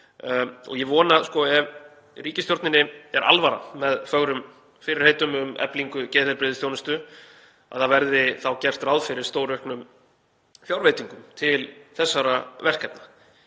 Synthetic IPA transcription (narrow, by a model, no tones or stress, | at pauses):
ɔ̰ɣjɛvɔːnaskɔɛv | riːcɪst̪jowɾt̪nɪnɪɛɾʔa̰lvaɾa̰mɛðfœɣɾʏm | fɪɾɪɾ̥heːjt̪ʏmʏmɛ̰pliŋkʏcɛːðɛɾpɾɪːðɪsθjownʏst̪ʏ | a̰ðθavɛɾðɪθawcɛr̥t̪rawðfɪɾɪɾ̥st̪oːwɾœhknʏm | fjawɾveːjt̪iŋkʏmt̪ʰɪlθɛsːaɾavɛr̥kɛpna